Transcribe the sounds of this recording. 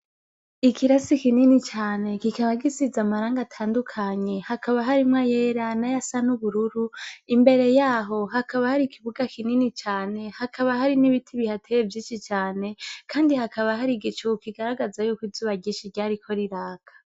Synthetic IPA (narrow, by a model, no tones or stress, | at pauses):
ikʰiɾasikininit͡ʃaːne̞kikaβaɡisizamaɾaːŋɡatʰaːndukʰaɲe̞hakʰaβaɦaɾimŋajeɾanajasanuβuɾuɾuimbe̞ɾe̞jaːɦo̞ɦakʰaβahaɾikʰiβuɡakininit͡ʃaːne̞hakʰaβaɦaɾiniβitʰiβihatʰejevjiːʃit͡ʃaːne̞kʰaːndihakaβahaɾiɡit͡ʃukiɡaɾaɡazajukwid͡ʒzuːβaɟiːʃiɾɟaːɾikʰo̞ɾiɾaːɡ̥ḁ